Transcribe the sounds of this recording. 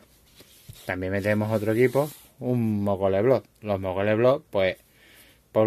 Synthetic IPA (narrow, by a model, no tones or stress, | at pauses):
t̪amiɛmɛd̪ɛmɔɦɔt̪ɾɔkipɔ | umːɔkɔlɛblɔ | lɔmɔkɔlɛblɔpɔɛ | pɔ